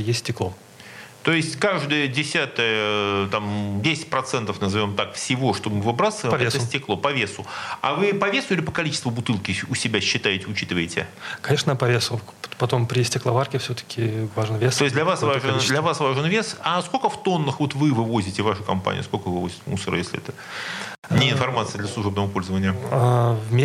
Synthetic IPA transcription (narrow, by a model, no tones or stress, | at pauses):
jesʲt̪ʲsʲtʲɪklˠo | t̪o̞ɪsʲtʲkaʐd̪əjədʲɪsʲat̪əjət̪amdʲesʲɪ̥tʲpɾɐt̪sɛnt̪əfnəzɐvʲo̞mt̪akfsʲɪvo̞ʂt̪o̞bmɨvɨbɾasəvəjmpɛsʲtʲɪklˠo̞pɐvʲe̞sʊa̰vɨpɐvʲe̞sʊilʲɪpəkɐlʲit͡ɕɪ̥st̪vʊbʊt̪ɨlˠkʲɪʊsʲɪbʲaɕːɪt̪ajɪtʲɪʊt͡ɕit̪ɨvəjɪtʲɪ̰kɐnʲeʂnəpɐvʲes | ppɐt̪o̞mpɾʲɪsʲtʲɪklˠɐvarkʲɪfsʲɵt̪ə̥kʲʰɪvaʐɨnvʲest̪ojsʲtʲd̪lʲɐvasvaʐɨnd̪lʲɐvasvaʐɨnvʲe̞sɐskolʲkəft̪o̞nːəxvo̞t̪vɨvɨvo̞zʲɪtʲɪvaʂɨkɐmpa̰nʲɪ̰ə̰skolʲkəvɨvozʲɪt̪musəɾə̰jesʲlʲɪɛ̰t̪ə | nʲɪɪnfɐrmat̪sɨəd̪lʲəsˠʊʐɛbnəvəpo̞lʲzəvənʲɪjəavmʲ